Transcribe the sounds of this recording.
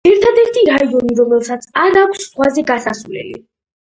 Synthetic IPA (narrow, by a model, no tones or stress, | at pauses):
ɛɾt̪ʰad̪ɛɾt̪ʰiɾaizɔniɾɔmɛlˠsat̪sʰaɾakʷʰsːχwazɛɡasasvlɛ̰lḭ